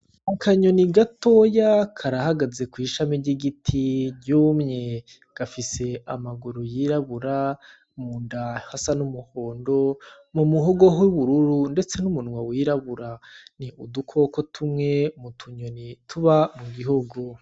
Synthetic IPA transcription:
akaɲoniɡato̞ːjakʰaɾahaɡaze̞kwiːʃamiɾɟiɡitʰiɟuːmɲe | ɡ̥afise̞amaɡuɾujiɾaβuɾa | muːndahasanumuhoːndo | mumuɦoɡo̞ɦwuβuɾuɾunde̞t͡se̞numunŋwawiːɾaβuɾaniʔudukʰo̞ko̞tʰumŋe̞mutʰuɲonitʰuβamuɡiɦoɡo

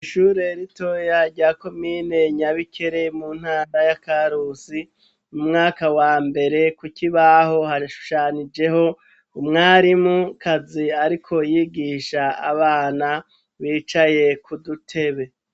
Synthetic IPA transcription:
iʃuːɾe̞ɾito̞jaɾɟaːko̞miːne̞ɲaβikʰe̞ɾe̞muːn̥haːɾajakaɾusi | umŋaːkawaːmbe̞ɾe̞kukiβaho̞haʃu̥ʃaːnid͡ʒe̞ho̞ | umŋaːɾimukʰaziaɾikʰo̞jiɡiːʃaa̰βaːna | βiːt͡ʃaje̞kʰudutʰe̞βe̞

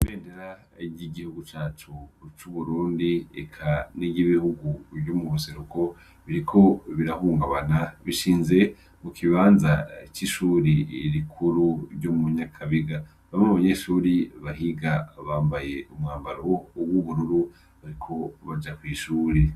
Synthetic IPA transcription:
iβeːndeɾa | iɟiɡihuɡut͡ʃaːt͡ʃut͡ʃuβuɾuːndiḛkʰaniɟiβihuɡuβɟomuβuse̞ɾuko̞ | βiɾikʰo̞βiɾahuːŋɡaβanaβiʃiːnze̞ | mukʰiβaːnzat͡ʃiʃuːɾiɾikʰuɾuɾɟomuɲakʰaβiɡa | βamŋnaβaɲeːʃuːɾiβahiɡaβaːmbaje̞ʔumŋaːmbaɾouwuβuɾuɾu | βaɾikʰo̞βad͡ʒakwiːʃuːɾi

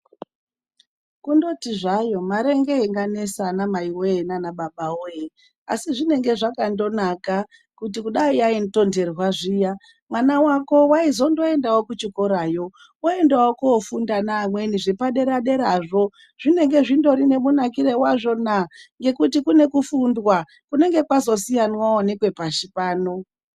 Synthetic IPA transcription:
kundo̞tiʐajo̞maɾe̞ŋɡeiŋɡane̞sanamaiwojenanaɓaɓaoje | a̰siʐine̞ŋɡe̞ʐakando̞naka | kutikuɗaiainto̞nde̞rwaʐija | mwanawako̞waizo̞ndo̞e̞ndawokut͡ʃikoɾajo̞ | oe̞ndawokoːfundanamwe̞niʐipaɗe̞ɾaɗe̞ɾaʐo̞ | ʐ̥ine̞ŋɡe̞ʐindo̞ɾine̞munakiɾewaʐo̞naŋɡe̞kutikune̞kufundwa | kune̞ŋɡe̞kwazo̞sijanwaonekwe̞paʃipaːno̞

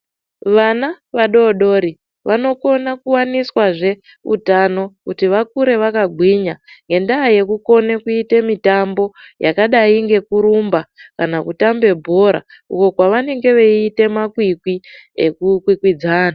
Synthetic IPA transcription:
ʋana | ʋaɗo̞ɗo̞ɾi | ʋano̞ko̞nakuwaniswaʐe̞ | ṵtano̞kutiʋakuɾe̞ʋakaɡʱwiɲaŋɡe̞ndaːje̞kuko̞ne̞kuite̞mitambo̞jakaɗaiŋɡe̞kuɾumbakanakutambe̞bʱo̞ɾa̰ | ṵko̞kwaʋane̞ŋɡe̞ʋe̞ːte̞makwikwiḛkukwikwid͡zaːna

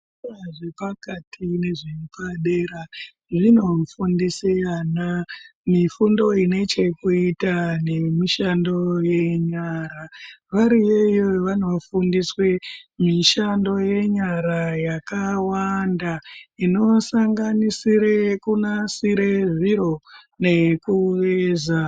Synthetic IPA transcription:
aʐepakatʰine̞ʐipaɗeɾa | ʐino̞fundisianamifundo̞ine̞t͡ʃe̞kuitane̞miʃando̞je̞ɲaɾaʋaɾiejoʋano̞fundiswemiʃando̞je̞ɲaɾajakawandaino̞saŋɡanisiɾekunasiɾe̞ʐiɾo̞ | ne̞kuʋeza

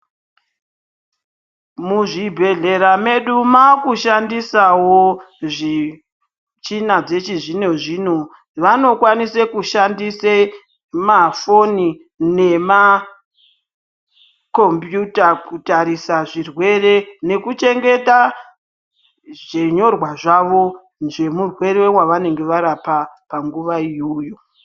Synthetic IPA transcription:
muʐibʱe̞ɮe̞ɾame̞ɗumakuʃandisawo | ʐi | t͡ʃinad͡ze̞t͡ʃiʐine̞ʐiːno | ʋano̞kwanisekuʃandise | mafo̞ni | ne̞ma | ko̞mbjutakutaɾisaʐirwe̞re̞ne̞kut͡ʃe̞ŋɡe̞ta | ʐ̥eɲo̞rwaʐaʋo̞ | nd͡ʒe̞murwe̞ɾewaʋane̞ŋɡe̞ʋaɾapapaŋɡuʋaiujo̞

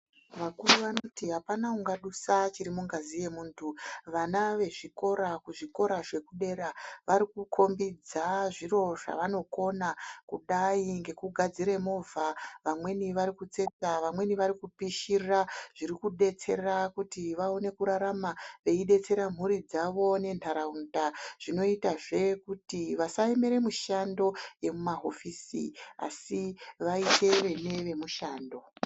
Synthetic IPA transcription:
ʋakuruʋanotiɦapanakuŋɡaɗusat͡ʃiɾimuŋɡazije̞muːntʰuʋanaʋe̞ʐiko̞ɾakuʐiko̞ɾaʐe̞kuɗe̞ɾaʋaɾikukʰo̞mbid͡zaʐiro̞ʐa̰ʋano̞ko̞nakuɗaiŋɡe̞kuɡʱad͡ziɾe̞movʱaʋamwe̞niʋaɾikut͡se̞t͡saʋamwe̞niʋaɾikupiʃirraʐ̥iɾikuɗe̞t͡se̞rrakutiʋaone̞kuɾaɾamaʋe̞iɗe̞t͡se̞ɾam̤uɾid͡zaʋo̞ne̞ntaɾaundaʐ̥ino̞itaʐe̞kutiʋasaeme̞ɾe̞muʃando̞je̞mumaɦofisḭa̰siʋaite̞ʋe̞ne̞ʋe̞muʃaːndo̞

